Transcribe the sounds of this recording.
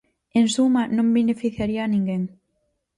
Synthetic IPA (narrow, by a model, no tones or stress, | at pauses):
ẽnsumanõmbenefiθjaɾianĩŋɡeŋ